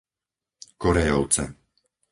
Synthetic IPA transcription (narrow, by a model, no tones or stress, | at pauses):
kɔɾɛjɔʊt͡sɛ̰